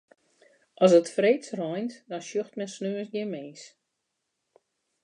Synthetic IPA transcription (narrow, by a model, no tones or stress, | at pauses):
ʔɔsətfreːtsrɔjntdɔnʃjøxtmɛnsnøəsɡɪnmeːs